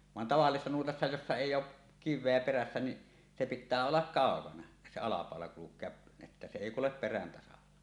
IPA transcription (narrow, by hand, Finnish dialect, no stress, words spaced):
ʋɑn tɑʋɑlːisesːɑ nuotɑsːɑ josːɑ eˑijˑ oʔ kiʋˑeæ peræsːæ niʔ se pitˑæː olːɑk kɑˑokɑnɑ se ɑlɑpɑˑolɑ kulukˑeɑ etːæ se eˑi kulep peræn tɑsɑlːɑ